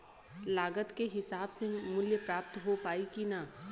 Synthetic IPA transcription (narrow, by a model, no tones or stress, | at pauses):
laːɡət̪keɦɪsaːbsemʊljəpɾaːp̚t̪ɦopaːikina